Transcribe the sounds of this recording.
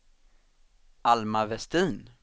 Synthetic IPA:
almavɛst̪iːn

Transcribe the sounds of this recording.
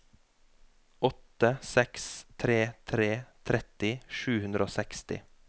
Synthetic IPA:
ɔt̪əsɛkst̪ʰɾeːt̪ʰɾeːt̪ʰɾɛt̪ɪʃʉːhʉnd̪ɾoːsɛkst̪ɪ̰

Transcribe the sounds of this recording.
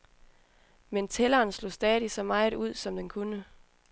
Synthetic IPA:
ment͡sʰelɐːnslo̝sd̥ɛːðˠisɒ̽mɑ̈ɪuð̞̰ˠsɒ̽md̥enkʰunə

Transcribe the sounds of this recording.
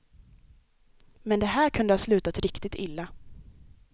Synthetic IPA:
mɛnd̪ɛɦæːɾkʰɵnd̪əhɑːslʉ̟ːt̪at̪ɾɪkt̪ɪt̪ʰɪlːa

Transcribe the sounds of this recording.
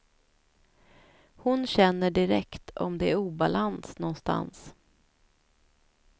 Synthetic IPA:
hʊnɕɛnːəɖɪɾɛkt̪ʰɔ̰md̪ɛæɾuːbalansnɔnst̪a̰ns

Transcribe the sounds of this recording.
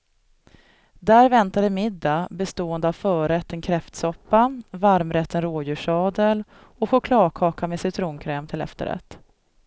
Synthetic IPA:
d̪æːɾvɛnt̪ad̪əmɪd̪ːabɛst̪oːənd̪əavfœːɾɛt̪ːənkʰɾɛft̪sɔpːavaɾmɾɛt̪ːənɾoːjʉ̟ːʂɑːd̪əl | ɔɧʊkʰlɑːɡkʰɑːkamesɪt̪ʰɾuːnkʰɾɛːmt̪ʰɪlɛ̰ft̪ə̰ɾɛ̰t̪ː

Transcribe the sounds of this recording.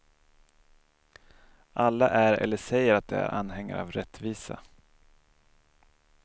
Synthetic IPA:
ʔalːaʔæɾɛ̰lːəʂɛjːəɾat̪̚d̪ɛ̰æ̰ɾʔanhɛŋːa̰ɾavɾɛt̪ːviːsa

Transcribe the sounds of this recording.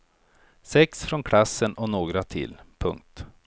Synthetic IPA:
sɛksfɾɔnkʰlasːənɔnoːɡɾat̪ʰɪ̰lpʰɵ̰ŋk̚t̪

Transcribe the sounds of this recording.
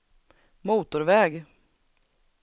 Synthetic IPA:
muːt̪ʊɾvɛːɡ

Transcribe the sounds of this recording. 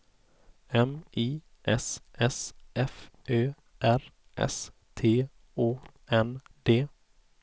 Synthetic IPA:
ɛmiː | ʔɛsʔɛsʔɛfʔøː | ʔæɾ | ʔɛ̰st̪ʰeː | oː | ɛnd̪eː

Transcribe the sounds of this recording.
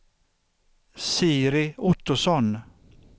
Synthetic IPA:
siːɾɪʊt̪ːʊsɔn

